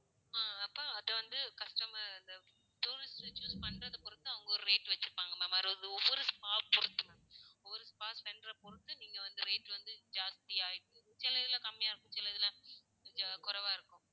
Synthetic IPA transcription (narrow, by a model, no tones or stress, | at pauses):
aːɐpːoɐðɐʋɐnd̪ɯkɐʂʈɐmaɪnd̪ɐ | ʈuːɾɪsʈt͡ʃuːspɐɳːɾɐðɐpɔɾɯt̪ːɯɐʋɯŋɡɐɔɾɯɾeːʈːʋɛt͡ʃːɯɾɯpaːŋɡɐmaːmɐɾɯʋðɯɔʋːɔɾɯspaːpɔɾɯt̪ːɯmɐɔʋːɔɾɯspaːspɛnɖɾɐpɔɾɯt̪ːɯniːŋɡɐʋɐnd̪ɯɾeːʈːʋɐnd̪ɯd͡ʒaːst̪ɪjaːɪʈːɯ̃ | sɪlːɐðɪlãːkɐmːɪjaːɪɾɯkːʊ̃t͡ʃɪlːɐðɪlãː | d͡ʒkʊɾɐʋaːɪɾɯkːʊ̃